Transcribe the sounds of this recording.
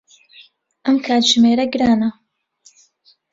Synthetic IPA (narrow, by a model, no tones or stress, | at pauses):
ʔɐmkʰaːt̪ʒɨmeːɾɐɡɨɾaːnɐ